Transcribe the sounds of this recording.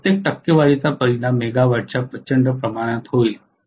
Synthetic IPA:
t̪jek̚ʈɐkːeʋaːlit͡sapɐɾinamːeːɡaʋəɾt͡ʃapɾɐt͡ʃə̃ɳɖəpɾɐmaːɽ̃ət̪ɦoːi

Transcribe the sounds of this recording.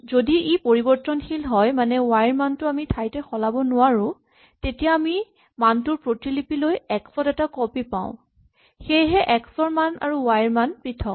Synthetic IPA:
zodiʔipoɹibɔɹtɔnxilɦɔjmanɛwajɹmantʊamitʰajtɛxɔlabɔnʊwaɹʊ̃ | tetijaːmi | mantʊɹpɹotilipilojɛksɔtɛtakɔpipã̰ʊ̃ | xejɦɛʔɛksɔɹmana̰ɹuwajɹmanpɹitʰɔk

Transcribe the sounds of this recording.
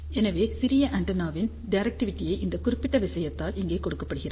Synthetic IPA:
ɛnɐʋeːsɪɾɪjɐʔɐɳʈɐnaːʋɪn | ɖɐɾɐk̚ʈɪʋɪʈːɪjɐɪʔɪnd̪ɐkʊrɪpːɪʈːɐʋɪsɐjɐt̪ːaːlɪŋɡeːkɔɽɯkːɐpːɐɽɯɣɪraː

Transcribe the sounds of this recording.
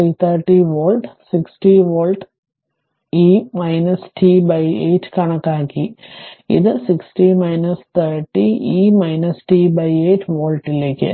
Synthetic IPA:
jt̪ʰɐɾʈiʋoːlʈsiksʈiʋoːlʈ | iːmɐjnɐsʈʰibɐjeːʈːkɐɳɐkːaːkːiḭðɨsiksʈimɐjnɐst̪ʰɐɾʈːiiːmɐjnɐsʈiːbɐjeːʈʋoːlʈileːkːɨ̰

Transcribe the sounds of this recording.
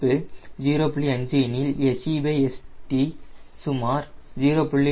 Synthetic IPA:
ɯd͡ʒiːɾoːpɭiɐɲd͡ʒinɪlesibeːesʈisʊmaːɾd͡ʒiːɾoːpʊɭːi

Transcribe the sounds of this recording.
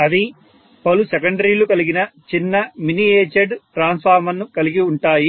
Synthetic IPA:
ɐd̪i | pɐlusɛkɐɳɖɐɾiːlukɐliɡinɐt͡ʃinːɐminieːt͡ʃɐɖʈɾaːnspʰaːɾmɐnːukɐliɡiuɳʈaːji

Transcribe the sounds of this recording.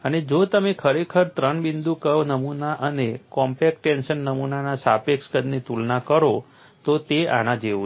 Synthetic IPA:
əned͡ʒot̪əmekʰəɾekʰəɾt̪ɾəɳbind̪ukənəmunaʔənekɔmpek̚ʈɛnʃənːəmunanasapekskəd̪nit̪ulnakəɾo | t̪ot̪ea̰ɽ̃ãd͡ʒeu

